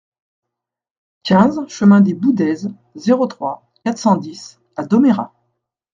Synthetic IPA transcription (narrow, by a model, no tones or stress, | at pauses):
kʲɛ̃zʃəmɛ̃d̪ebud̪ɛz | zeʁot̪χwa | kʲat̪χsɑ̃d̪is | ad̪ɔmeʁa̰